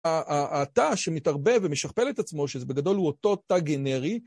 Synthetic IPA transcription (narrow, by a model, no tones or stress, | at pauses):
aʔataʃemitaʁbe̞vemeʃaχpe̞let̪at͡smo̞ʃezebe̞ɡado̞lhuoto̞taɡene̞ʁi